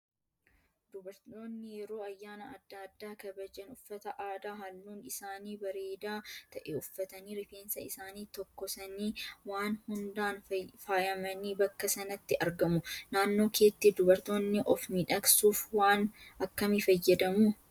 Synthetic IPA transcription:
d̪̥ʊbɐɾt̪o̞ːnːɪjɛɾo̞ːɐjːaːnɐɐd̪ːad̪ːaːkɐbɐd͡ʒɐnʊfːɐt̪ɐʔaːd̪aːɦɐlːuːnɪsaːniːbɐɾe̞ːd̪aːt̪ɐʔɛʊfːɐt̪ɐniːɾɪfeːnsɐɪsaːniːt̪ɔkːɔsɐniːwaːnhʊnd̪aːnfaːjɐmɐniːbɐkːɐsɐnɐt̪ːɪʔɐɾɡɐmʊnaːnːo̞ːke̞ːt̪ːiːd̪ʊbɐɾt̪o̞ːnːɪʔɔfmiᶑɐksuːfwaːnɐkːɐmɪfɐjːɐd̪ɐmuː

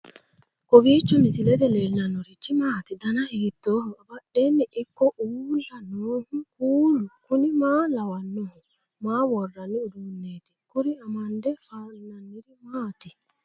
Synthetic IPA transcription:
kɔwiːt͡ʃːɔmit̪ilɛt̪ɛlɛlːanɔɾit͡ʃːimaːt̪id̪anahiːt̪ːɔːɦɔabaɗːenːɛʔikːɔʔuːlanɔːhukuːlukunimaːlawanːɔhɔ | maːwɔrːanːiudunːeːt̪i̥kuɾiamandɛfaːlːanːiɾimaːt̪i

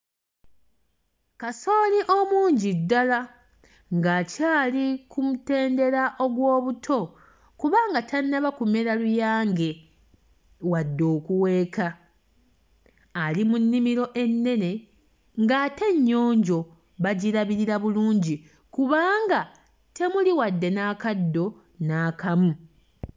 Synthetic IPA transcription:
kaso̞ːliʔo̞muːɲɟidːala | ŋɡacaːlikumute̞ːnde̞ɾaʔo̞ɡwo̞ːβutʰo̞ | kuβaːŋɡatʰanaβakume̞ɾalujaːŋɡe̞ | wadːo̞ːkuwe̞ːka | limunːimiɾo̞ʔe̞nːe̞ne̞ | ŋɡate̞ɲːo̞ːɲɟo̞ | βaɟiɾaβiɾiɾaβuluːɲɟi | kuβaːŋɡa | te̞muliwadːe̞naːkadːo̞ | naːkamu

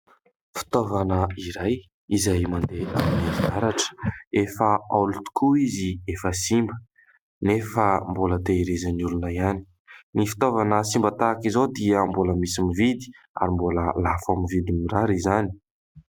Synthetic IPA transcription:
fi̥t̪ovanəiɾaj | izajmand̪eʔamniiaɾaʈ͡ʂə̥efəalut̪u̥kʰuiziefəsimbə | nefəmbolət̪eiɾezanulunajani̥ | nifi̥t̪ovanəsimbət̪akizod̪iəmboləmisimivid̪i̥ | a̰ɾimbolə̰lafaminvid̪imiraɾizani̥

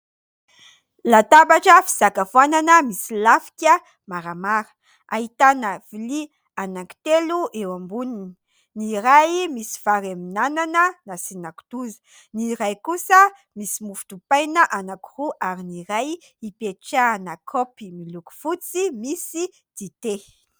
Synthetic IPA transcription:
lat̪abaʈ͡ʂəfi̥z̥akafuananəmisilafi̥kʲə | maɾamaɾə̥ | a̰ɦit̪anəv̥ili | anaki̥t̪eluʔewambunini̥ | niɾajmisi̥faɾaminananənasinaku̥t̪uzə̥ | niɾajkusə | misimufu̥t̪upajnəʔanakuruʔaɾiniɾaj | ipeʈ͡ʂanakʰopimiluku̥fut͡simisi | d̪̥it̪e

